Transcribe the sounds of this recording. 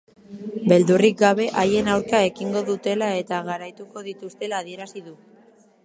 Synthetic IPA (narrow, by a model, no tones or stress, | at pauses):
be̞ld̪urik̚ɡaβ̞e̞ʔaje̞nawɾkae̞kiŋɡo̞ðut̪e̞lae̞t̪aɣaɾajt̪uko̞ðit̪ust̪e̞laːðie̞ɾasiðu